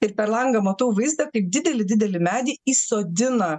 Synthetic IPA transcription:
ɪɾpʲɛɾlˠɐŋɡɐmɐt̪oːʋɐɪzd̪ɐkɐɪp̚d̪ʲɪd̪ʲɛlʲɪd̪ʲɪd̪ʲɛlʲɪmʲæːd̪ʲiːiːsoːd̪ʲɪnɐ

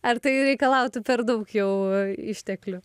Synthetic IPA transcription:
ɐrt̪ɐɪɾʲɛɪkɐlˠɐʊt̪ʊpʲɛɾd̪ɐʊkjɛʊɪʃʲt̪ʲɛklʲʊ

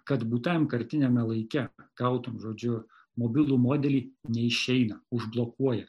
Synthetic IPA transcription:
kɐt̪buːt̪ʲɛmkɐɾʲt̪ʲɪnʲɛmʲɛlˠɐɪkʲɛɡ̥ɐʊt̪umʒoːd͡ʒʲʊ | moːbʲɪlˠuːmoːd̪ʲɛlʲiːnʲɛɪʃʲɛɪnɐʊʒblˠokuɔjɛ

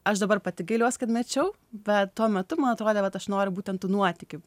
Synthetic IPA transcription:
ɐʃd̪ɐbɐrpɐt̪ʲɪɡɐɪlʲuɔskɐt̪mʲɛt͡ʃʲɛʊ | bʲɛt̪t̪uɔmʲɛt̪ʊmɐnɐt̪ɾoːd̪ʲeːʋɐt̪ɐʃnoːɾʲʊbuːt̪ʲɛnt̪ːuːnuɔt̪ʲɪkʲɪ

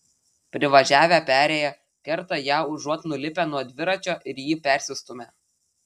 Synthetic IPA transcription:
pʲɾʲɪʋɐʒʲæːʋʲæpʲæːɾʲeːjɛ | kʲɛɾt̪ɐjæːʊʒuɔt̪nʊlʲɪpʲænuɔd̪ʲʋʲɪɾɐt͡ʃʲoːʔɪɾjiːpʲæˑɾʲsʲɪst̪ʊmʲe

